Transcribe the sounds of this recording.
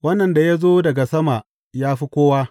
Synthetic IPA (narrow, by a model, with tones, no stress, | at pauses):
wɐ˦nːɐ˨nda˨ja˦zoː˦dɐ˨ɡa˨sɐ˦ma˨ | jaː˦ɸi˦kʷoː˦waː˦